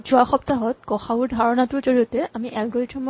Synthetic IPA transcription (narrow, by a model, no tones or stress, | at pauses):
zuaxɔptaɦɔt̚ɡɔxaʊɹdʱaɹɔnatʊɹzoɹiɔtɛamiʔɛlɡoɹitʰɔmɔ